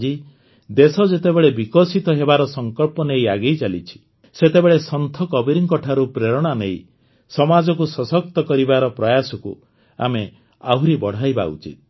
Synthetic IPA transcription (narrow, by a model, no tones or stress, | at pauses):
d͡ʒi | d̪esɔd͡ʒet̪ebeɭebikɔsit̪ɔɦebaɾɔsɔŋkɔlpɔnejaɡejt͡ʃalit͡ʃʰi̥ | set̪ebeɭesɔnt̪ʰɔkɔbiɾiŋkɔʈʰaɾupɾeɾɔɽ̃anej | sɔmad͡ʒɔkusɔsɔk̚t̪ɔkɔɾibaɾɔpɾɔjasɔkṵ | a̰me | aɦuɾibɔɽ̤ʱajba̰ṵt͡ʃḭt̪̚